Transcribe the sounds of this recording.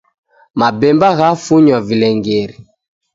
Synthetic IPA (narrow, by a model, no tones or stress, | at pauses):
mabɛmbaɣafuɲɔvilɛŋɡeɾi